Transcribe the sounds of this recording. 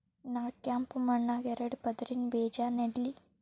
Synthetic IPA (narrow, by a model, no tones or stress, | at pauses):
naːkʲːaːmpumɐɳːaɡeɾɐɽɨpɐd̪ɐɾinbeːd͡ʑaneɽili